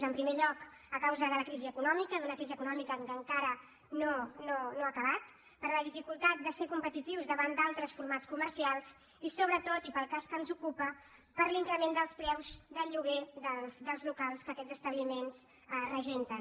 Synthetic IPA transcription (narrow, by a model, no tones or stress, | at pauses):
zəmpɾimeʎɔk | əkawzəðələkɾiziəkunɔmikəðunəkɾiziəkunɔmikəkəŋkaɾə | nononoakəβat̪ | pəɾləðifikulˠt̪at̪̚d̪əsekumpət̪it̪iwzðəβand̪alˠt̪ɾəsfuɾmat͡skuməɾsialˠz | isoβ̞ɾət̪ot̪ipəlˠkaskənzukupə | pəɾliŋkɾəmend̪əlˠspɾɛwzd̪əʎuɣeðəsd̪əlˠzlukalˠskəkɛzəst̪əβlimenz | rəʒent̪ə